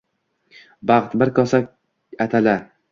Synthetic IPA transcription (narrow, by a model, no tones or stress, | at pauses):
bɑχt̪bɪɾkʰɒsak̚ʲ | at̪ʰala